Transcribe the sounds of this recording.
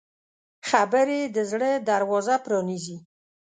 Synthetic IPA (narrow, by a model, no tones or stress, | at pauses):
xabəɾed̪əzɽəd̪aɾwɔzapɾɔnizi